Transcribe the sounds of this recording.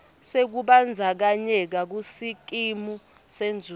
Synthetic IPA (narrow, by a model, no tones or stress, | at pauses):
sek̬uɓand͡zʱak̬aɲɛk̬ak̬usik̬ʼimu | send͡zʱu